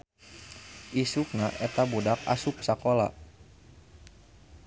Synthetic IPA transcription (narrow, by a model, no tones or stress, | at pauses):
ʔisuk̚naʔɛt̪abudak̚a̰sup̚sakola̰